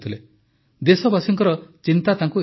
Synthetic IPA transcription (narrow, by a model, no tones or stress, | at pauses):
t̪ʰile | d̪esɔbasiŋkɔɾɔt͡ʃint̪at̪aŋku